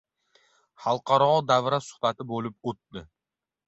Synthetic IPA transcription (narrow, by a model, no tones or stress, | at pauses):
χɑlˠqʰɑɾɒd̪avɾasʊ̥hbat̪ʰɪbolɪp̚ot̪̚ːɪ